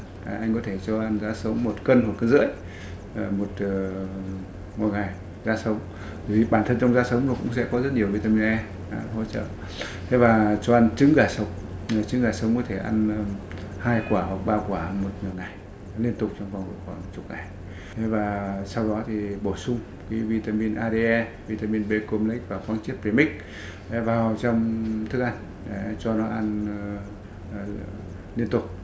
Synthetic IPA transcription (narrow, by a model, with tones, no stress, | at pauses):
ʔa˧jŋ̟k̬ɔ˨˦t̪ʰe˧˩t͡ɕɔ˧ʔa˧nzaː˨˦sə˨˦wŋ͡mmo˨˩t̚kə˧nho˨˩kə˧nzɨ̰˧˥əj | mo˨˩t̚ː | ŋo˨˩jŋa˨˩j | zaː˧sə˨˦wŋ͡m | t̪vi˨˩ɓaː˧˩nt̪ʰə˧nt͡ɕɔ˧wŋ͡mzaː˧sə˨˦wŋ͡mnɔ˨˩kʊ̰˧˥ŋ͡msɛ̰˧˥kɔ˨˦zə˦˥t̚ɲi˨˩əwvi˧˩t̪ə˧m˨˩ʔɛ˧m | a˧˨ɦo̰˧˥˦t͡ɕə̰ː˧˨ | t̪ʰe˨˦vaː˨˩t͡ɕɔ˧ʔa˧nt͡ɕɨ˨˦ŋzaː˧˩jsə˨˦wŋ͡m | t͡ɕɨ˨˦ŋɣaː˧˩jsə˨˦wŋ͡mkɔ˨˦t̪ʰe˧˩ʔa˧n˨haː˧jkwaː˧˩hɔ˨˩k͡p̚ɓaː˧kwaː˧˩mo˨˩t̚ŋɨ˨˩əjŋa˨˩j | li˧ənt̪ʊ˨˩k͡p̚t͡ɕɔ˧wŋ͡mva˨˩wŋ͡mvkwaː˧˩˨t͡ɕʊ˨˦˥k͡p̚ŋa˨˩j | t̪ʰe˨˦vaː˨˩sa˧wɗɔ˨˦t̪ʰi˨˩ɓo˧˩sʊ˧ŋ͡m | ki˨˦vi˧t̪aː˧mi˧nʔaː˧ɗe˧ʔɛ˧ | vi˧t̪aː˧mi˧nɓe˧ko˧mlk̚vaː˨˩faː˨˦ŋt͡ɕi˦˥ət̚pɾi˧mï˦˥k̚ | ɗe˨˦vaː˨˩wt͡ɕɔ˧wŋ͡mt̪ʰɨ˦˥k̚ʔa˧jŋ̟ | ɗɛ˨˩t͡ɕɔ˧nɔ˨˦ʔa˧n˨ | li˧ənt̪ʊ˨˩k͡p̚